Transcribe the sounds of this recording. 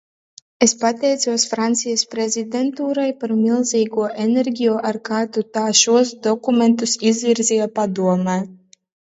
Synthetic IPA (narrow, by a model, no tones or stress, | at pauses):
espat̪ʲɛjt̪suɔsfɾant̪sijɐspɾezʲid̪ʲent̪uːɾajpaɾmʲilˠziːɡuɔʔeneɾɡʲijuʔaɾkat̪ut̪aːʃuɔsd̪ɔkument̪usizvʲiɾzʲiapad̪uɔmɛː